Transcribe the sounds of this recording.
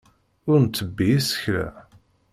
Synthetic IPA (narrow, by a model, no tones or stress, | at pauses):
ʊɾnt̪ːəbːiisə̥çɾæ̰